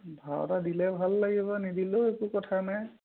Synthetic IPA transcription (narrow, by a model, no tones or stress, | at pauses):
bʱaɔ̰tadilɛbʱalːaɡiβɔnidiloekukɔtʰanaj